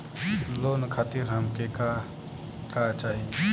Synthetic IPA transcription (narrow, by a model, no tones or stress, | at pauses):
loːnkʰaːt̪iɾɦɐmkeka | kat͡ʃaːɦie